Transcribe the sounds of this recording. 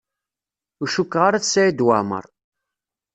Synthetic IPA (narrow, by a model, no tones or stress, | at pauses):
uʃukːʁaɾaθsæid̪wamə̰ɾˤ